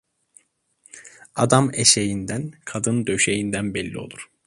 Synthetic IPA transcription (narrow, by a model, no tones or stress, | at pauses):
ad̪ameʃejind̪ænkʰad̪ɯnd̪ø̞ʃejind̪ænbɛlʲːḭo̞̰lˠuɾ̥